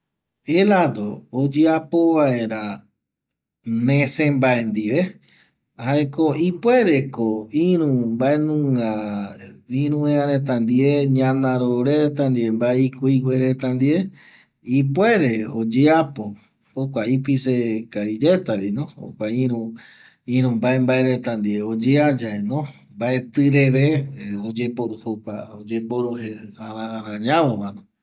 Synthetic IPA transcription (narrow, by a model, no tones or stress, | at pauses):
elad̪oːd͡ʒeapoβae̞ɾa | nẽsẽmbaend̪iʋe | haekoipwe̞ɾekoĩɾũmbaenũŋã | ĩɾũeãɾẽt̪ãnd̪ieɲãnãɾoɾet̪and̪iembaeikuiwʷeɾet̪and̪ie | ipwe̞ɾe̞od͡ʒeapo | hokʷaip̬isekaiɾe̞t̪aβinõo̰kʷaĩɾũ | ĩɾũmbaembaeɾet̪and̪ieod͡ʒead͡ʒaenõ | mbae̞t̪ɨɾeβeod͡ʒepoɾuhokʷaod͡ʒepoɾuheaɾaːɾãɲãʋomanõ